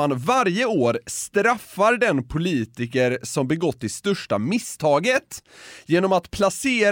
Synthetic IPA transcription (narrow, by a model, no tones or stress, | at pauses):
anvaɾjəoːɾst̪ɾafːaɾɖɛnpʰʊliːt̪ɪkəɾsɔmbɛɡɔt̪ːɪst̪œʂʈamɪst̪ʰɑːɡət̪jeːnɔmat̪pʰlaseːɾ